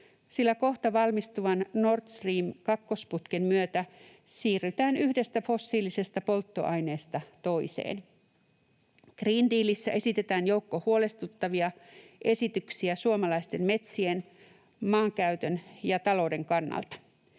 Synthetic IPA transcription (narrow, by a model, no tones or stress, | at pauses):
silːæko̞ht̪ɑʋɑlmist̪uʋɑnno̞rt̪sriːmkɑkːo̞sput̪kemmyøt̪æ | siːrːyt̪æːnyhde̞st̪æfo̞sːiːlise̞st̪æpo̞lt̪ːo̞̰ʔɑjne̞ːst̪ɑt̪o̞isḛːn | kriːnd̪iːlisːæʔe̞sit̪e̞t̪æːnjo̞wkːohuole̞st̪ut̪ːɑʋiɑʔe̞sit̪yksiæsuomɑlɑist̪e̞mme̞t̪sien | mɑːŋkæyt̪ønjɑt̪ɑlo̞wde̞ŋkɑnːɑ̰lt̪ɑ̥